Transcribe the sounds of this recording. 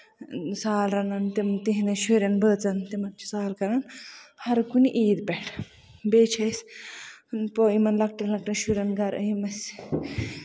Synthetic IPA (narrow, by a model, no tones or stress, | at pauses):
saːlɾɐnɐnt̪emt̪iɦinɐʃuɾɐnbəːt͡sɐnt̪emɐk̚t͡ʃʰi̥saːlkɐɾɐnhɐɾkuniʔiːd̪bɛʈʰ | beːt͡ʃʰɐsʲ | poimɐnlɐk̚ʈɐlɐkʈɐnʃuɾʲɐnɡɐɾʔəimɐs